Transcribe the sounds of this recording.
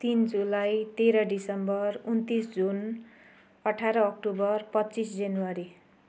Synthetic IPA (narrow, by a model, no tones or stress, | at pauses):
t̪ind͡zulajt̪eɾʌɖisʌmbʌrunt̪isd͡zun | ʌʈʰaɾʌːk̚ʈubʌrpʌtːt͡sisd͡zanuwaɾi